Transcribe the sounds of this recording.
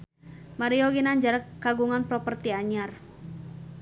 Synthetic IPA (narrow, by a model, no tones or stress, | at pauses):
maɾiɔɡinaɲd͡ʒaɾəkːaɡuŋanpɾɔpərt̪iaɲar